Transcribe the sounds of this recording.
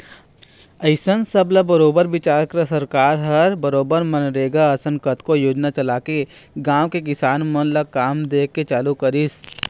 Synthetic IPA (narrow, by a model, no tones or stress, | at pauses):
ɐɪsənsɐblabɐɾoːbəɾʋɪt͡ʃaːɾkɾəsɐɾkaːɾɦɐɾbɐɾoːbəɾmɐnɾeːɡaɐsəŋkət̪kojoːd͡ʒnat͡ʃɐlaːke | ɡãːwkek̬ɪsaːnmɐnlakaːmd̪eːkːet͡ʃaːlukɐɾɪs